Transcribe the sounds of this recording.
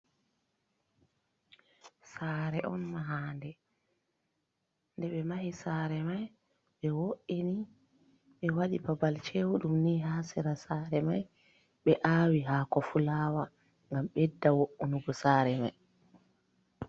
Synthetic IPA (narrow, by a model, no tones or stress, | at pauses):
saːɾɛʔɔ̰nmaɦaːndɛ | ndɛɓɛmahisaːɾɛmaj | ɓɛwoʔini | ɓɛwaɗibabalt͡ʃewuɗumniːhaːsiɾasaːɾɛmaj | ɓɛʔaːwiɦaːkɔfulawa | ŋɡamɓɛdːawoʔːunuɡɔsaːɾɛmaj